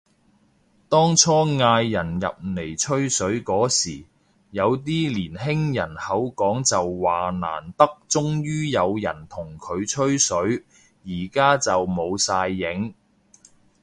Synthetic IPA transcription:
t̪ɔː˥ŋt͡ʃʰɔː˥ŋaː˧jːɐ˨˩njɐ̰˨p̚ne˨˩jt͡ʃʰɵ˥ɥsɵ˨˥ɥkɔː˨˥siː˨˩ | jɐ˨˧wt̪̬iː˥liː˨˩nɦɪ˥ŋjɐ˨˩nhɐ˨˥wkɔː˨˥ŋt͡sɐ˨wwaː˨˩na̰ː˨˩nt̪ɐ˥k̚t͡sʊ˥ŋjyː˥jɐ˨˧wjɐ̰˨˩nt̪ʰʊ˨˩ŋkʰɵ˨˧ɥt͡ʃʰɵ˥ɥsɵ˨˥ɥ | jiː˨˩kaː˥t͡sɐ˨wmo˨˧wsaː˧jːɪ˨˥ŋ

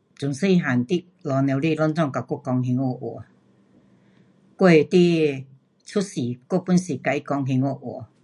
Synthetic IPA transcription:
t͡su˨˩nsə˦i˧ɦa˨˩nt̪i˦˧ | lɔ˨˧nɛ̃˧wli˥˧˨lɔ˦nt͡sɔ˥˨ŋka˨˩kɔ˥˧˨kɔ˧ŋɦi˧ŋɔ˧˩ʔɔ̰˨˩ | kwe˥˧˨t̪i˦ | t͡sʰu˦si˨ko˥˧˨pu˦nsi˨ka˧i˦kɔ˧˦ŋɦi˧ŋɔ˧ʔwɔ˨˩˨

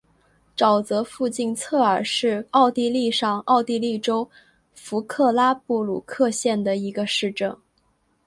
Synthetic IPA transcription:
ʈ͡ʂɑ˨˩ʊt͡sɤ˧˥fu˥˧t͡ɕi˥˧nt͡sʰɤ˥˩ə˞˨˩ʂɻ̩˥˧ɑ˥˧ʊt̪i˥˧li˥˧ʂɑ˥˧ŋɑ˥˧ʊt̪i˥˧li˥˩ʈ͡ʂo˥ʊ | fu˧˥kʰɤ˥˩la˥pu˥˩lṵ˨˩kʰɤ˥˧ɕjɛ˥˩nd̪ə˩i˧˥ɡə˧ʂɻ̩˥˧ʈ͡ʂɤ˥˩ŋ

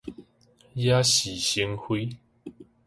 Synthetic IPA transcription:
ja˦ɕi˨˩ɕi˧˦ŋxwe˦

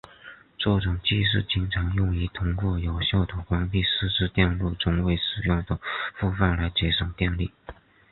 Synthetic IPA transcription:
ʈ͡ʂɔ˥˩ʈ͡ʂʊ˨˩ŋt͡ɕi˥˧ʂ̬ɻ̩˥˩t͡ɕi˧˥˩ŋʈ͡ʂʰɑ˧˥ŋjʊ˥˩ŋi˧˥t̪ʰʊ˥ŋku˥˩jo˨˩ʊɕjɑ˥˩ʊt̪ʰu˨˩kwɑ˥npi˥˩sɹ̩˥ʈ͡ʂɻ̩˥t̪jɛ˥˧nlu˥˩ʈ͡ʂʊ˥ŋwe˥˩ɪʂɻ̩˨˩jʊ˥˩ŋd̪ə˩fu˥˧fa˥˩nla˧˥ɪt͡ɕjɛ˧˥ʂʊ˨˩ŋt̪jɛ˥˧nli˥˩

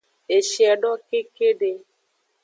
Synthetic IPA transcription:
e˨ʃjɛ˨ɖɔ˦ke˦ke˦ɖe˦

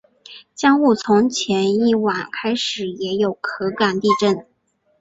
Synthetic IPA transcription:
t͡ɕjɑ˥ŋu˥˩t͡sʰʊ˧˥ŋt͡ɕʰjɛ˧˥ni˥˩wa˨˩nkʰa˥ɪʂɻ̩˨˩jɛ˧˥jo˨˩ʊkʰɤ˧˥ka˨˩nt̪i˥˧ʈ͡ʂə˥˩n

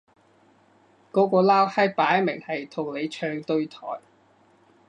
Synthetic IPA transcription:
kɔː˨˥kɔː˧laː˥whɐ˥paː˨˥jmɪ˨˩ŋhɐ˨jt̪ʰʊ˨˩ŋle˨˧jt͡ʃʰœː˧ŋt̪ɵ˧ɥt̪ʰɔ̰ː˨˩j

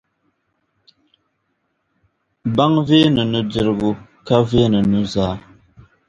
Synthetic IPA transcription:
ba˦ŋve˦nɨ˨nu˦di˨ɾɣu˦ka˦ve˦nɨ˨nu˦zaː˦

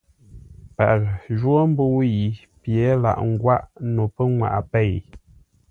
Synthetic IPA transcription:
pa̰˨ʔʒwo˦m̩˦bo˦wji˨ | pje˨˦la̰˨ʔŋ̩˦ɡwa˦ʔno˨pə˦ŋwa̰˨ʔpɛ˦˨j

